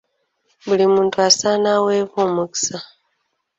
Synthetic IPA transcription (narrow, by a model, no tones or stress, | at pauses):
βulimuːntuasanaweβomuki̥sa